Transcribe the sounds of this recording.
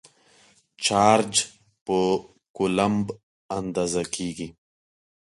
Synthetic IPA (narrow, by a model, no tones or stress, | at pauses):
t͡ʃaːɾd͡ʒ | pə | kʊlamb | and̪aːzakeːɡi